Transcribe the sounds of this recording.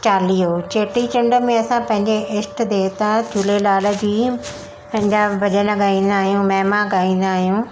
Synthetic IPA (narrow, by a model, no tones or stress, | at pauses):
t͡ɕaːlijot͡ɕeːʈit͡ɕɪ̃ɳɖə̆mẽɐsãpɐ̃ɦɪ̃ɲd͡ʑeʔɪsʈd̪eːt̪ad͡ʑʰʱuːlelaːlə̆d͡ʑiː | pɐ̃ɦɪ̃ɲd͡ʑabɐʄənəɡaːĩːn̆d̪aːɦijũmɛːmãɡaːĩːn̆d̪aːɦijũ